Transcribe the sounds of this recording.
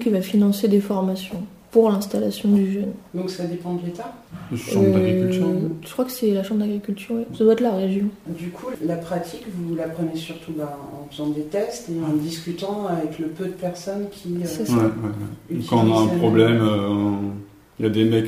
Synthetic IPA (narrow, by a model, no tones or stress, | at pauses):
kʲivafinɑ̃sed̪efɔʁmasjɔ̃ | puʁlɛ̃st̪alasjɔ̃d̪yʒœnd̪ɔ̃ksad̪epɑ̃d̪əlet̪a | ʃɑ̃øaɡʁikt̪yʁʒ̥ə̥kχwakə̥sɛlaʃɑ̃mbʁd̪aɡʁikʲylt̪yʁwɛsad̪waɛt̪laʁeʒjɔ̃d̪ykʰulapχat̪ʰikvulapχənesyʁt̪ʰubãɑ̰̃fəzɑ̃d̪et̪ɛst̪eɑ̃d̪iskʲyt̪ɑ̃avɛkləpød̪əpɛʁsɔnkʲʰiøswɛwɛwɛ̰ỹikɑ̃ɔ̃naɛ̃p̪χɔblɛmø | iljad̪emɛk